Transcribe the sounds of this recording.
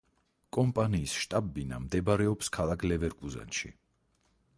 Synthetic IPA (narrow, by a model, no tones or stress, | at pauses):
kʼɔmpʼaniːsʃt̪ʼabːina̰md̪ɛbaɾɛɔpskʰalˠakʰlɛvɛɾkʼuza̰nʃḭ